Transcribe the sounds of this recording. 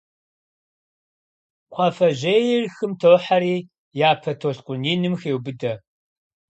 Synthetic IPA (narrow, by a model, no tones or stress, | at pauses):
qʷʼɑfɐʑejɪrxɨmtʰoːħaɾiː | jaːpʰɐtʰoɬqʷʊniːnɨmxeːwbɨdɐ